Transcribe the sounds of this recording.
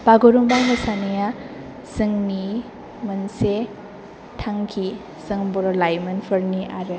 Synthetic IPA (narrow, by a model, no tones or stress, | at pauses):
b̥aɡoɾuŋbaɦasaneja | sɯŋni | mɐnse | tʰaŋkʰi | sɯŋbɔɾɔlajmɯnpʰɯɾniʔaɾe